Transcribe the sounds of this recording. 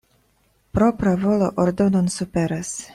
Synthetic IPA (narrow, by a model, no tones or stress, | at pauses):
pɾopɾavoloʔoɾd̪ononsupeɾas